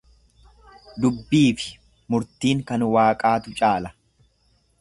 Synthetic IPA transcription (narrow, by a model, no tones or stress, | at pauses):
d̪ʊbːiːfɪ̥ | mʊɾt̪iːŋkɐnwaːkʼaːt̪ʊt͡ʃʼaːlɐ